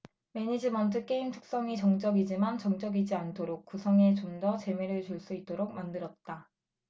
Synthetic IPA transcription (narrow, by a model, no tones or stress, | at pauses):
me̞ɲid͡ʑimʌntʰɯk͈e̞imtʰu̥k̚s͈ʌŋit͡ɕʌŋt͡ɕ͈ʌɡid͡ʑimant͡ɕʌŋt͡ɕ͈ʌɡid͡ʑiantʰoɾok̚k͈usʰʌŋe̞t͡ɕomdʌt͡ɕe̞meɾɯɭt͡ɕuɭs͈uit͈oɾok̚mandɯɾʌt̚t͈a